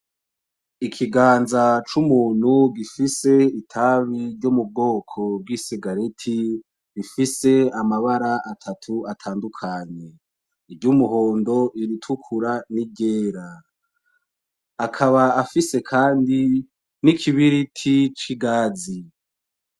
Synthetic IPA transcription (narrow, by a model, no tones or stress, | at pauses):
ikʰiɡaːnzat͡ʃumuːn̥huɡifise̞itʰaβiɾɟumub̚ɡo̞ːkʰo̞b̚ɡwiːsiɡaɾetʰi | ɾifise̞amaβaɾaʔatʰatʰuatʰaːndukʰaɲe̞ | ivɟumuɦo̞ːndo̞ʔiɾutʰukʰuɾaniɟeːɾa | kʰaβaafise̞kʰaːndi | nikʰiβiɾitʰit͡ʃiɡaːzi